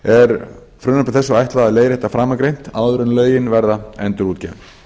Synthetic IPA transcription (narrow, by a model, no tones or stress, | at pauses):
ɛɾ | fɾʏnap̪ɪɾθɛsːʏajht̪laðaðleːjɾɪhɛt̪ːafɾaːmakɾejn̥t̪aːwðʏɾʏnlœːɥjɪnvɛɾðaɛnt̪ʏɾuːt̪cɛːvɪ